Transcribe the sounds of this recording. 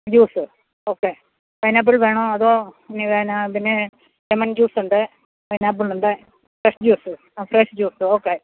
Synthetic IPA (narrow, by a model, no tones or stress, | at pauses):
d͡ʑuːsɨ | oːkːeː | pɐjnaːb̬uɭʋeːɳoːɐðoːiniʋeːnapinːe | ɾemɐnd͡ʑuːsuɳɖɨ | pɐjnaːb̬ːuɭuɳɖɨ | pɾeʂʈd͡ʑuːsɨ | fɾeʂd͡ʑuːsɨoːkːeː